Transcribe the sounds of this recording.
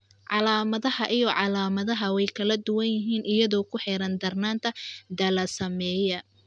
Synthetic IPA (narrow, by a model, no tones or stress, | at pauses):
ʕɑlaːmɐðɐhɐʔijɔʕɑlaːmɐðɐɦɐwɛjkʰɐlɐd̪ʊwɐnjɪɦiːnʔɪjɐðɔːkʰʊħɛɾɐnd̪ɐrnaːnt̪ʰɐd̪ɐlɐsɐmɛːjɐ